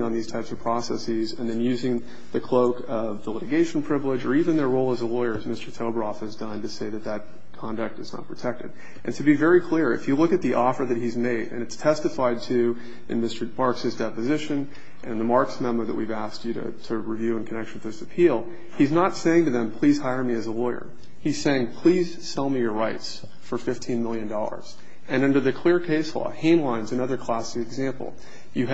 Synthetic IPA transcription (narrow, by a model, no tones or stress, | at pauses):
ŋə̃nðiz̥tʰaɪpsʌv̥pʰɹ̥ɔsɛ̰sizɨ̰̃nðɨ̃njʉzɪ̃ŋ | ðɨkʰl̥oʊkʌvðəlɪɾɨɡeɪʃn̩pʰɹ̥ɪvlɪd͡ʒə˞ivɨ̃nðə˞ɹoʊlˠəzəlɔɪə˞zmɪstə˞tʰoʊbɹɔfhɨzdʌ̃ntɨseɪðɨt̪̚ðɨt̚ | kʰɑ̃ndɨk̚tɨznə̰t̚pʰɹ̥ɨtʰɛk̚tɨɾ | ʔɨ̃ntʰɨbivɛɹikʰl̥ɪɹɨ̰fjɨlʊkɨt̪̚ðiʔɔfə˞ðɨt̚ɦizmeɪɾɨ̰̃nɨtstʰɛstɨfaɪd̚tʰʉ | ʔɨ̰̃nmɪstə˞bɑɹksɨzdɛpɨzɪʃɨ̃n | ʔɨ̃nɨ̃nðəmɑɹksmɛ̃məðɨ̰ʔ̚wivæst͡ʃɨɾɨ̰tʰɨɹivjʉə̃nkʰɨnɛk̚ʃn̩ðɪsɨpʰilˠ | iznətseɪɪ̃ŋtɨðɨ̃mpʰl̥iz̥haɪə˞miɨzəlɔɪə̰˞ | hiz̥seɪɪ̃ŋpʰl̥iz̥sɛlˠmijə˞ɹaɪts | fə˞fɪftʰĩnmɪlˠjɨ̃ndɔlˠə̰˞z̥ | ɨ̃nʌ̃ndə˞ðɨkʰl̥ɪɹkʰeɪslɔ̰hẽɪ̃mlãɪ̃nzɨnʌðə˞kʰl̥æsiɨɡzæ̃mpl̩ˠ | jɨ